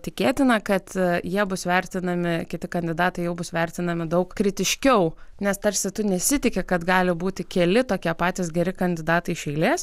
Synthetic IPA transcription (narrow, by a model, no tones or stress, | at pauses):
t̪ʲɪkʲeːt̪ʲɪnɐkɐt̪jiɛbʊsʋʲɛɾʲt̪ʲɪnɐmʲɪkʲɪt̪ʲɪkɐnʲd̪ʲɪd̪ɑːt̪ɐɪjɛʊbʊsʋʲɛɾʲt̪ʲɪnɐmʲɪd̪ɐʊkkɾʲɪt̪ʲɪʃʲkʲɛʊnʲɛst̪ɐɾʲsʲɪt̪ʊnʲɛsʲɪt̪ʲɪkʲɛkɐt̪ɡɑːlʲɪbuːt̪ʲɪkʲɛlʲɪt̪oːkʲiɛpɑːt̪ʲɪsɡʲɛɾʲɪkɐnʲd̪ʲɪd̪ɑːt̪ɐɪʃʲɛɪlʲeːs